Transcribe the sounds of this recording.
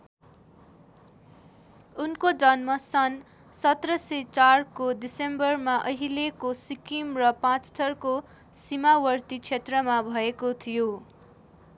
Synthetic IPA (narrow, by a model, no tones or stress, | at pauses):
unkod͡zʌnmʌsʌn | sʌt̪rʌset͡sarkod̪isembʌrmaʔʌɦilekosikimrʌpãt͡st̪ʰʌrko | simawʌrt̪it͡sʰet̪rʌmabʱʌekot̪ʰijo